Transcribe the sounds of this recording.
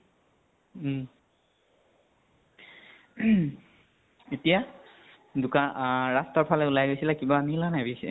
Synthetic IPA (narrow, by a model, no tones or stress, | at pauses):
etija | dukaɹastaɹpʰalɛulajɡojsilakibamilanabisḭ